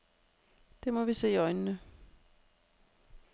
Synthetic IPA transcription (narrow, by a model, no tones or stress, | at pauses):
d̥e̝mɒ̽ʋise̝̰ːiɒ̽ɪnnə